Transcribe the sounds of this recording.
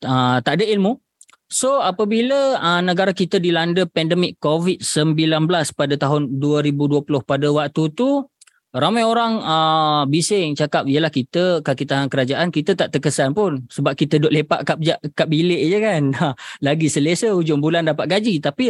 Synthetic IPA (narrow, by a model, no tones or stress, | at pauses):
ət̪aʔdəilmu | soapəbiləənəɡaɾakit̪ədilandəpɛndəmɪkːovit̪̚səmbilanbəlaspadət̪aɦʊnduəɾibuduəpulʊhpadəwak̚t̪ut̪u | ramajoɾaŋəbisɪŋt͡ʃakap̚ijəlahkit̪əkakit̪aɦaŋkəɾad͡ʒaʔankit̪ət̪aʔt̪əkəsanpʊnsəbap̚kit̪ədɔʔlepa̰ʔkad͡ʒaʔkap̚bileʔd͡ʒəkanəlaɡisəlesəud͡ʒʊŋbulandapat̪ʔ̪̚ɡad͡ʒit̪api